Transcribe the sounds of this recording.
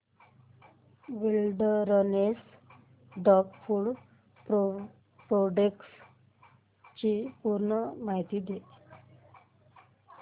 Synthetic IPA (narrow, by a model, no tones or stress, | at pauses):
ʋilɖɾɔnes | ɖɔkfuɭ | pɾo | pɾoɖeks | t͡ɕipuɾɳəmaɦit̪iːd̪e